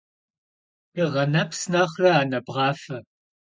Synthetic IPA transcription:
piːʁɐnɐpʰsnɐχrɐaːnɐbʁɑːfɐ

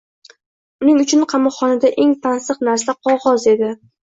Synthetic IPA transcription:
ʊnɪŋʊt͡ʃʰʊnqʰɑmɒːɒnad̪aʔe̞ŋt̪ʰansɨqnaɾsaqʰɒʁɒze̞d̪ɪ

